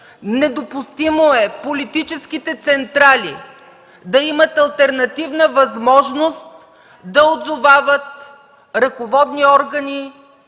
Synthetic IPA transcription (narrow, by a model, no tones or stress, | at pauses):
nɛd̪opʊst̪imoɛpolit̪it͡ʃɛsk̟it̪ɛt̪sɛnt̪ɾali | d̪ɐimət̪ɐlˠt̪ɛɾnɐt̪ivnəvɐzmɔʒnost̪̚ | d̪ɐod̪zovavət̪̚ | ɾɐkovɔd̪niɔɾɡəni